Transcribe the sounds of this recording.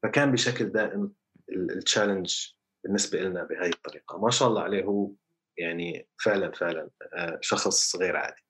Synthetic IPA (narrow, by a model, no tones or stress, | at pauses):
fakaːnbɪʃakld̪aːʔɪm | ɪt͡ʃːaːlɪnd͡ʒ | bɪnːɪsbaʔɪlnabɪhaːjɪt̪ˤːɑɾiːqɑmaʃaːʔɑlˤːɑ̰ʕaleːɦuː | jaʕnifɪʕlanfɪʕlanʃɑxsˤɣeːɾʕa̰ːd̪i̥